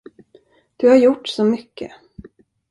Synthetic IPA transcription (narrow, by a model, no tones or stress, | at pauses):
d̪̥ɵhaɾjʊʈːsɔmʏkʰːə̰